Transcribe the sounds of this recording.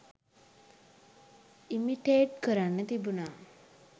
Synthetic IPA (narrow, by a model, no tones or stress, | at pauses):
imiʈeːʈkəɾanːət̪ibuna